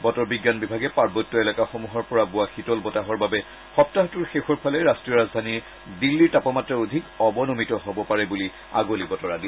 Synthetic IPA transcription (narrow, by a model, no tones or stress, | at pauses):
bɔtɔɹbiɡːanbibʱaɡɛpaɹbɔtːɔɛlakaxomuɦɔɹpɔɹabuaxitɔlbɔtaɦɔɹbabɛ | xɔp̚taɦtuɹxexɔɹpʰalɛɹastɹijɔɹazdʱaniɹ | dilːiɹtapɔmatɹɔodʱikɔbɔnomitɔɦɔbɔpaɹɛbuli | a̰ɡolibɔtɔɹadi